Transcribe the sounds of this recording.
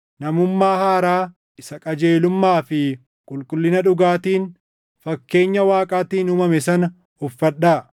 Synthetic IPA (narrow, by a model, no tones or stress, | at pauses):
nɐmʊmːaːhaːɾaː | ɪsɐkʼɐd͡ʒe̞ːlʊmːaːfɪ | kʼʊlkʼʊlːɪnɐᶑʊɡaːt̪iːn | fɐkːe̞ːɲːɐwaːkʼaːt̪iːnʊmɐmɛsɐnɐ | ʊfːɐɗːaː